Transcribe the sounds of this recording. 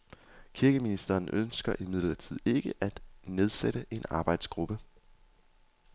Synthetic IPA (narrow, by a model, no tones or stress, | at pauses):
kʰiɐɡ̥əminisd̥ɐnʔønsɡ̥ɐʔimið̞̰ˠlɐt͡sʰið̞̰ˠe̝ɡ̥əʔæd̥ne̝ð̞ˠseɾ̥əʔe̝nɑ̈ːb̥ɑ̈ɪd̥sɡ̥ʁub̥ə